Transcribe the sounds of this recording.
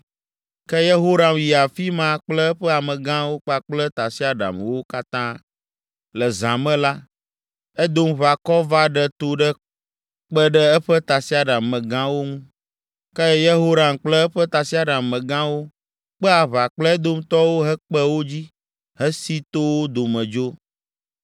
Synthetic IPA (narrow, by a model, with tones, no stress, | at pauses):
kɛ˦je˦ɦo˦ɾa˨mji˨a˨fi˦mã˦k͡plɛ˦ɛ˦ɸɛ˦a˨mɛ̃˨ɡã˦wo˦k͡pa˦k͡plɛ˦t̪a˨si˦a˦ɖa̰˨mwo˦ka˦t̪ã˦ | lɛ˨zã˨mɛ̃˦la˦ | ɛ˦d̪o˦mβa˨kɔ˦va˦ɖɛ˦t̪o˨ɖə˦ | k͡pɛ˦ɖɛ˦ɛ˦ɸɛ˦t̪a˨si˦a˨ɖa˨mːɛ̃˨ɡã˦wo˦ŋũ˦ | kɛ˦jɛ˦je˦ɦo˦ɾa˨m˨k͡plɛ˦ɛ˦ɸɛ˦t̪a˨si˦a˦ɖã˨mːɛ̃˨ɡã˦wo˦ | k͡pɛ˦a˨βa˨k͡plɛ˦ɛ˦d̪o˦m˦t̪ɔ˦wo˦ɦɛ˦k͡pɛ˦wo˦d͡ʑi˦ | ɦɛ˦si˦t̪o˦wo˦d̪o˨mɛ̃˨d͡ʒo˦